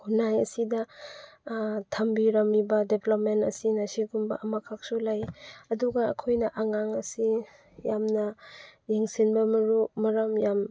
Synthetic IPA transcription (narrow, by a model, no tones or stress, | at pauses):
hunajɐsidɐ | tʰɐmbiɾɐmibɐdeplopmentɐsinɐsiɡumbɐ̰ʔɐmakʰak̚sulajɐduɡɐ̰ːkʰojnɐʔaŋaŋɐsi | jamnɐjeŋsinbɐmɐɾumɐɾɐmjam